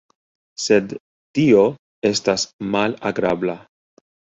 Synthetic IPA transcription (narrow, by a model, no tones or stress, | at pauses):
se̞d̪ | tio̞ | e̞stasmalaɡɾabla